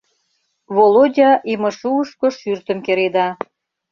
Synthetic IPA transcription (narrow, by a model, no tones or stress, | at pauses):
βolodʲɑʔimə̆ʃuəʃkŏʃyrt̪ə̆mkeɾed̪ɑ